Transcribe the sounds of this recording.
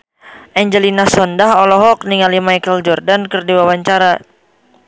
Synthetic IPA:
ʔɛɲd͡ʒəlinasɔndaɦɔlɔɦɔk̚niŋalimajkəld͡ʒɔrdankərdiwawaɲt͡ʃaɾa

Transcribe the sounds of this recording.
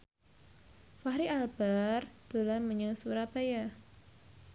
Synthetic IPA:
fahɾiʔalb̥ard̪̥o̤lanməɲəŋsuɾapaja

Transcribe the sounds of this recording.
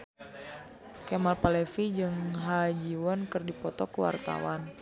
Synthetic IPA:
kɛmalpalɛfid͡ʒɨŋɦad͡ʒiwɔnkɨrdipɔt̪ɔkəwa̰rt̪a̰wan

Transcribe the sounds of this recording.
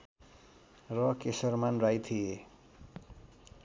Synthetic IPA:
rʌkesʌrmanrajt̪ʰie

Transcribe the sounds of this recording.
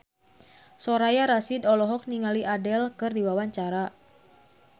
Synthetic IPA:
sɔɾajaɾasidɔlɔɦɔk̚niŋaliʔadɛlkɨrdiwawaɲt͡ʃaɾa

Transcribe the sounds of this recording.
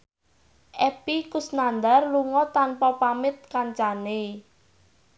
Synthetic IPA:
ʔɛpikusnand̪arluŋɔt̪anpɔpamɪt̪̚kaɲt͡ʃane

